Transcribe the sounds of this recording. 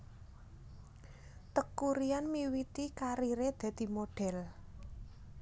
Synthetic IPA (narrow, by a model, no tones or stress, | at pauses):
t̪əkːuɾianmiwit̪ikaɾiɾed̪̥ɛ̤d̪̥i̤moɖ̥ɛ̤l